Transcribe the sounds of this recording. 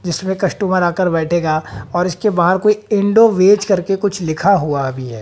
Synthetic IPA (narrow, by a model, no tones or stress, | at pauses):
d͡ʒɪsmẽkɐsʈuːməɾaːkəɾbɛːʈʰeːɡaːɔːɾɪskebaːɦəd̪koːiɪ̃ɳɖoʋeːt͡ʃkɐɾkekʊt͡ʃʰlɪkʰaɦuaɐbʱiɦɛː